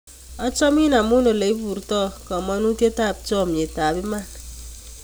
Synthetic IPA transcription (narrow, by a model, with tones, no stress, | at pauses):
ɔ˦t͡ʃɔ˦mi˦na˨mu˦no˨le˨i˦bu˨ɾtɔ˦˨kɔ˨mɔ˦nu˦tje˦ta˦˨p̚t͡ʃɔ˦˨m˨e˨ta˨bi˦ma˦˨n